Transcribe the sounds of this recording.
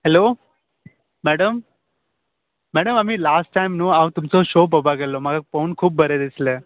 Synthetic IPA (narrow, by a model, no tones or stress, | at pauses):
helo | mæɽəm | mæɽəmam̤iːlasʈːajmnuːaʋt̪umt͡soɕop̬əbʱaɡəlːoməɡaponkʰuːp̚bəɾed̪islə